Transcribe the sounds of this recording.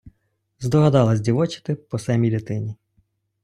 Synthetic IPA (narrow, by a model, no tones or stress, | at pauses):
zd̪ɔɦɐd̪ɑlˠɐzʲdʲiʋɔt͡ʃɪ̥t̪ɪpɔsɛmʲid̪ʲɪt̪ɪnʲi